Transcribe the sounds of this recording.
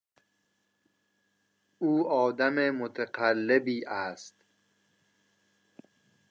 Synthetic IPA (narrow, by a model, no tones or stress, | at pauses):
uːɒːd̪æmemot̪ʰeqʰælːebiːʔæst̪